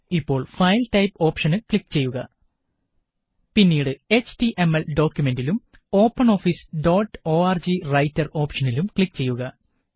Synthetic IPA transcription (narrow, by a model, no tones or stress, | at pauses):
ipːo̞ːɭfɐjlʈɐjpo̞ːpʂɐnɨkɭikːt͡ɕe̞jːuɣɐ | pinːiːɽɨe̞t͡ɕtiʔe̞melɖo̞ːkʲjume̞ndilum | o̞ːpːɐno̞ːfisɖo̞ːʈːo̞ːɐrd͡ʑirɐjtːɐro̞ːpʂɐnilumkɭikːt͡ɕe̞jːuɣɐ